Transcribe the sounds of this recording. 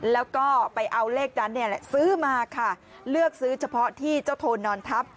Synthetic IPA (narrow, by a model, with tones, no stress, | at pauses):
lɛː˦˥wkɔː˥˩pa˧jʔa˧wleː˥˩k̚da˧˥nːi˥˩əlɛ˨˧˩sɯː˦˥maː˧kʰa˥˩ | lɯ˥˩ək̚sɯː˦˥t͡ɕʰa˧pʰɔ˦˥t̪ʰiː˥˩t͡ɕa˥˩wt̪ʰoː˧nːɔː˧nt̪ʰa˦˥p̚